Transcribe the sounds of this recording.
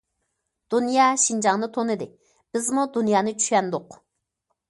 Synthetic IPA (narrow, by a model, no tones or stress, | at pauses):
d̪̥unjɑːʃind͡ʒɑŋnɨt̪ʰonɨd̪ɨ | b̥ɪzmud̪unjɑːnɨt͡ʃʰy̥ʃʲɛnd̪ʊq